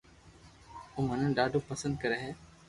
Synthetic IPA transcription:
oːmənənɖaːɖʱoːpəsə̃nd̪̚kəɾeːɦeː

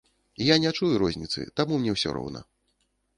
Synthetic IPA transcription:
ijanʲat͡ʂujuɾɔzʲnʲit̪sɨ̰t̪amumnʲɛwsʲɔ̰ɾɔ̰wnɐ̰

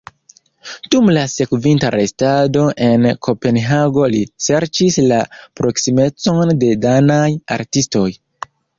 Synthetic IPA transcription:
d̥umlase̞kvintaɾe̞stado̞ʔe̞nkʰo̞pe̞nɦaɡo̞lise̞ɾt͡ʃislapɾo̞ksime̞t͡so̞nde̞danaja̰ɾtisto̞j

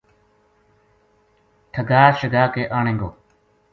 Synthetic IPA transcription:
ʈʰəɡaːʃəɡaːkeːʔaːɳẽːŋɡoː

